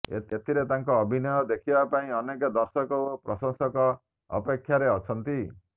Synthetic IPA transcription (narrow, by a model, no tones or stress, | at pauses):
et̪ʰiɾet̪aŋkɔːbʱinɔjɔd̪ekʰibapaĩʌnekɔd̪ɔɾsɔkɔopɾɔsɔŋsɔkɔ̰ː | pekʰjaɾeɔt͡ʃʰʌnt̪i